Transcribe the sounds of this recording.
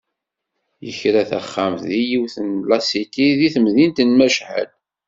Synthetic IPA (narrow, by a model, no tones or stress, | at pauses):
jəçɾæθæ̰χːæmθðijiwθənblɑsit̪iðiθəmðint̪ənmæʃħə̰l